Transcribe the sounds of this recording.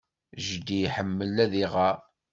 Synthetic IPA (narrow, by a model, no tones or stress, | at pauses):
ʒd̪ijħəmːəlːæðiʁa